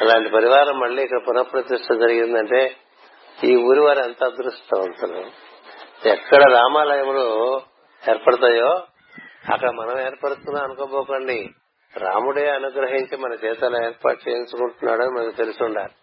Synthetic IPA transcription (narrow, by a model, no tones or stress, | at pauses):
ɐlaːɳʈipɐɾiʋaːɾɐmːɐɭːiːkːɐɽɐpunɐpɾɐt̪iʂʈɐd͡ʒɐɾiɡind̪ɐɳʈe̞ː | iːuːɾiʋaːɾɐnt̪aːd̪ɾuʂʈɐɐnt̪ɐlṵ | ɛkːɐɽɐɾaːmaːlɐjɐmlo | eːɾpɐɽɐt̪aːjoː | ɐ̰kːɐɽɐmɐnɐmeːɾpɐɽut̪unːaːɐnukobɔːkoɳɖi | ɾa̰ːmuɽijɐnuɡɾɐɦiɲt͡ʃimɐnɐt͡ʃɛːt̪ɐlɐeːɾpa̰ːʈt͡ʃeːiɲt͡ʃukuɳʈunːa̰ːɽɐnimɐnɐkit̪e̞lusuɳɖaːɾi